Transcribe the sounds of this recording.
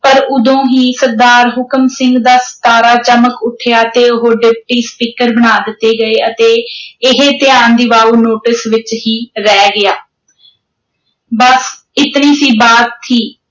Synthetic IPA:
pəɾʊd̪õːɦiːsəɾd̪aːɾɦʊkəmsɪ̃ŋɡd̪aːst̪aːɾaːt͡ʃəməkʊʈʰɪjaːt̪eːʊɦoːɖɪp̚ʈiːspiːkəɾbənaːd̪ɪt̪ːeːɡəeːət̪eːɪɦeːt̪ɪjaːnd̪iːʋaːuːnoːʈɪsʋɪt͡ʃɦiːɾɛːɡɪaː | bəs | ɪt̪niːsiːbaːt̪t̪ʰːiː

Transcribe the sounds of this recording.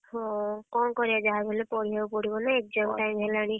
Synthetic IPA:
hɔ̃kɔnkɔɾiad͡ʒaɦabɔlepɔɽ̤iapɔɽ̤ibɔnaek̚d͡ʒɔmʈajmʱɛlaɽ̃i

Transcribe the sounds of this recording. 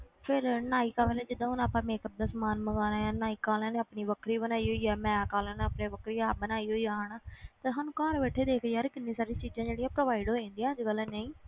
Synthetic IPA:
pʰɪɾnaːiːkaːpɛːlẽːd͡ʒɪd̪ãːʊnaːpãːmeːkəb̚d̪əsmaːnməɡaːnãːjãːnaːiːkaːlãːneːəpniːʋəkʰɾiːbənaːiːɦoːiːɛːmɛ̃ːkaːlãːneːəpneːʋəkʰɾiːaːbənaːiːɦoːiːaːnaːt̪eɦaːnũːkaːɾʋeːʈʰːeːd̪eːkʰːjaːɾkɪnːĩːsaːɾiːt͡ʃiːd͡ʒãːd͡ʒeːɽijãːpɾoːʋaːɪɖɦoːĩːnd̪ijãːd͡ʒɡəlɛːneĩː

